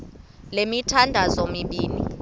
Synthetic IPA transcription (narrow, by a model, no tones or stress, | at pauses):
lemitʰandʱazomiɓiːni